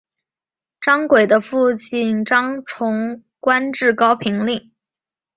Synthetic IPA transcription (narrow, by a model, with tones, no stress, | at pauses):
ʈ͡ʂɑ˥ŋkwe˨˩ɪd̪ə˦fu˥˧t͡ɕi˥˩nʈ͡ʂɑ˥ŋʈ͡ʂʰʊ˧˥ŋ | kwa˥nʈ͡ʂɻ̩˥˩kɑ˥ʊpʰi˧˥ŋli˥˩ŋ